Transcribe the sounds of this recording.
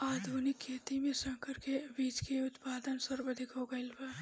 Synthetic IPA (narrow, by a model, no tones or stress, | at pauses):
aːd̪ʱuːnɪkʰːeːt̪imẽsɐ̃ŋkʰəɾkebiːt͡ʃkeʊt̪paːd̪ənsɐɾʋəd̪ʱɪkɦoːɡɐɪlbə